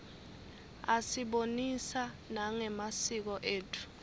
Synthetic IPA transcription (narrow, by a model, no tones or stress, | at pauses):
asiɓonisa | naŋɛmasik̬ɔʔeːtʰu̥